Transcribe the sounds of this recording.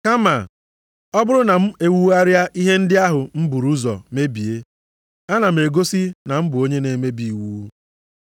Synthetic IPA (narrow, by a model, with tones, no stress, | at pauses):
ka˦ma˨ | ɔ˦bʊ˦ɾʊ˦na˨m̩˦e˨wu˦a˦ɾja˦ʔi˦ɦe˦n̩˦dɪ˦a˦ɦʊ˨m̩˦bu˨ɾu˦zɔ̰˨me˦bi˨e˦ | a˦na˨m̩˨e˨ɡo˦si˦na˨m̩˦bʊ˨o˦ɲe˦ne˨me˦bi˨wuː˦